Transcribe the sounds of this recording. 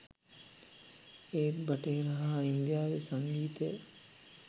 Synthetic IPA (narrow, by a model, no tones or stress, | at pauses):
eːbɐʈeɾaɦaind̪jaːʋesaŋɡiːt̪ej